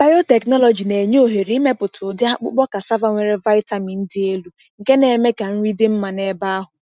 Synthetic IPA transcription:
b̥a˦jo˦te˨knɔ˦lɔ˨d͡ʒi˨ne˨ɲ˦o˨ɦe˨ɾi˨˦i˦me˦pʊ˨tʰʊ˨dɪ˦a˦k͡pʊ̰˦k͡pɔ˦ka˨sa˦va˦ŋʷe˨ɾe˦va˦ɪ˦ta˨mi˨n̩˦dɪ˦e˦lu˦ | ŋ̩˨ke˦ne˨me˦ka˨m̩˦ɾi˦dɪ˦m̩˦ma˨ne˦ba˦a˦ɦʊ˨

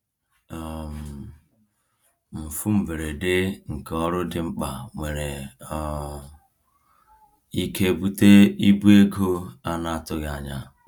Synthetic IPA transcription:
ɔ˨m̩˨ | m̩˨fu˦m̩˨ve˨ɾe˨de˦ŋ̩˨kɔ˦ɾʊ˦dɪ˨ŋ͡m̩˦k͡pa˨ŋʷe˨ɾe˨ | i˦ke˦bu˦te˦i˦bu˦e˦ɡo˦a˦na˨tʊ˦ɣa˨ɲa˨

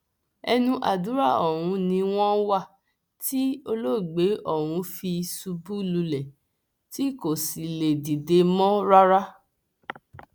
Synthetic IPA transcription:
ɛ˧nũ˧ʔa̰˨du˨˦ɾa˦˨ɔ˨ɾ̃ũ˨˧nĩ˧w̃ɔ̃˦wa˦˨ | ti˦o˧lo˦˨ɡ͡be˨˦ʔɔ˦˨ɾ̃ũ˧˦fi˧su˧bu˦lu˧lɛ˨ | ti˦ko˦˨si˨le˨di˨de˧mɔ̃˦ɾa˦ɾa˦

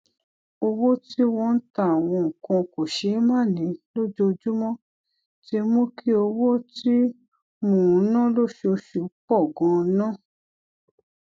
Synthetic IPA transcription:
o˧wo˦ti˦w̃ɔ̃˧n̩˦ta˦˨a˨w̃ɔ̃˧ŋ̩˨kã˧ko˨ʃe˨˦mã˦˨nĩ˨˦lo˦d͡ʒo˦˧d͡ʒu˦mɔ̃˦ | ti˦e˧mõ˦kʰi˦o˧wo˦ti˦ | mũ˨˦nã˦lo˦ʃe˧o˧ʃu˨k͡pɔ˦˨ɡɔ̃˨˧˦nã˦˨

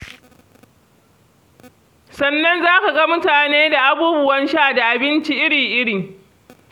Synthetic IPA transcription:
sɐ˨nːɐ˦nzaː˦ka˨ɡɐ˦mʊ˦taː˨neː˦da˨ʔa˨buː˦bʊ˦wɐ˦nʃaː˦˨da˨ʔa˨bɪ˦nt͡ʃi˦ʔɪ˦ɽi˨ʔɪ˦ɽɪ˨ŋ

